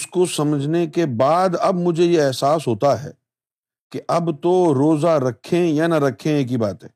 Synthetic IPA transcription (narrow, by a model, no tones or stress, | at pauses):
ʊskosɐməd͡ʒʱnekebaːd̪ɐbmʊd͡ʒʱejeɛɦsaːsɦoːt̪aɦɛ̰ː | keʔɐbt̪oɾoːzaɾɐkʰẽjanɐɾɐkʰẽeːk̬ibaːt̪ɦɛ̃ː